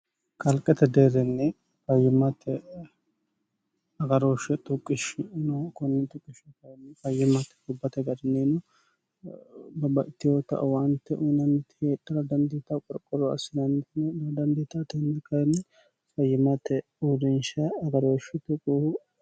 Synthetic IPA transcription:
kʰɐlkʼːɛt̪ɛd̪eːɾɛnːɛ | fɐjɪmːɐt̪ʰːɛ | ɐɡɐɾoːʃɛt̪ʼʊkʼːɪʃɪnɔkɔnːɛt̪ʼʊkʼːɪʃɔkɐjnːfɐjːɪmːɐt̪ːɛ̥dʊbːɐt̪ɛɡɐɾɪnenɔ | bɐbɐʔɪt̪ːɪjoːt̪ːɐ̰ʔwɐnt̪ːɛʔʊnɐnt̪heːᶑɐɾɐd̪ɐnd̪iːt̪ɐkʼɔɾkʼːɔɾɔɐ̰sɪd̪ɐnnɛlɐd̪ɐnd̪iːt̪at̪ɔnɛkɐjnːɛ | fɐjːɪmɐt̪ːɛ | udɛnʃɐːɡɐɾoːʃɛt̪ʊkʼːuh

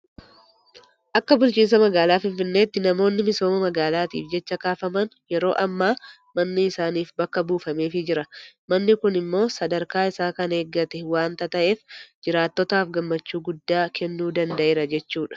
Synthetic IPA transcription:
ʔɐkːɐbʊlt͡ʃiːns̬ɐmɐɡaːlaːfɪnfɪnːeːt̪ːɪnɐmo̞ːnːɪmɪso̞ːmɐmɐɡaːlaːt̪ḭːfd͡ʒɛt͡ʃːɐkaːfɐmɐnjɛɾo̞̰ːʔɐmːaː | mɐnːɪɪsaːniːfbɐkːɐbuːfɐmeːfɪd͡ʒɪɾɐmɐnːɪkʊnɪmːo̞ːsɐd̪ɐɾkaːɪsaːkɐne̞ːɡːɐt̪ɛwaːnt̪ɐt̪ɐʔeːfd͡ʒɪɾaːt̪ːɔt̪aːfɡɐmːɐt͡ʃːuːɡʊd̪ːaːkʰɛnːuːd̪ɐnd̪ɐʔeːɾɐd͡ʒɛt͡ʃːuːᶑɐ̥

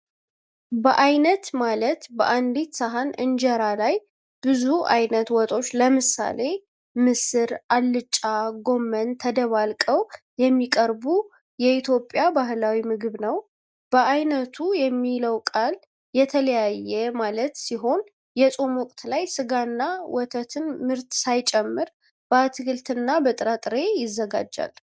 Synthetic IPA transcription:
bəʔajnət̪malət̪bə̰ʔand̪it̪saɦanɨ̰nd͡ʒɛɾalaj | b̥ɨzuʔa̰jnət̪wɔt̪ʼo̞t͡ʃːləmɨsa̰le̞ | mɨsɨɾalːɨt͡ʃʼːaɡo̞mːənt̪ʰəd̪əβalkʼəw | jɛmːikʼəɾbu | jɛit̪ʰjo̞pʼːjabaɦlawimɨɡɨβnəw | b̥əʔajnət̪ʰujɛmːiləwkʼal | jɛt̪ʰələjajːɛmalət̪siɦo̞n | jɛsʼo̞mwɔkʼt̪ʰlajsɨɡanːawɔt̪ʰət̪ʰɨnmɨɾt̪sajt͡ʃʼɛmːɨɾ | b̥əat̪ʰɨɡɨlt̪ɨnːabət̪ʼɨɾat̪ʼɨɾe̞jɪzːəɡa̰d͡ʒːa̰l

